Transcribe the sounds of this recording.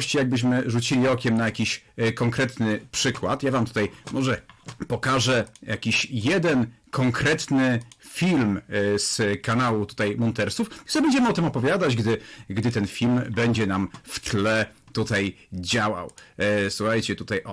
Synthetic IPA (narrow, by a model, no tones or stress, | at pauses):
ɕt͡ɕijaɡ̚bɘɕ̬mɘʐut͡ɕilʲiɔkʲɛmnajakʲiɕkɔŋkɾɛt̪nɘpʂɘkwa̰t̪javamt̪u̥t̪ajmɔʐɛpɔkaʐɛjakʲiɕjɛd̪ɛnkʰɔŋkɾɛt̪nɘfʲilmskanawut̪u̥t̪ajmɔnt̪ɛɾst̪ufzɛbɛɲd͡ʑɛmɘɔt̪ɘmɔpɔvʲjad̪ad͡ʑɡd̪ɘɡd̪ɘt̪ɛnfʲilmbɛɲd͡ʑɛnamft̪lɛ | t̪ut̪aj | d͡ʑawa̰wswuxajt͡ɕɛt̪ut̪aj